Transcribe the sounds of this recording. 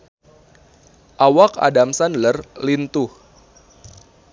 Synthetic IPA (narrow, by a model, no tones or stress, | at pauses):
ʔawaka̰damsanlərlint̪uh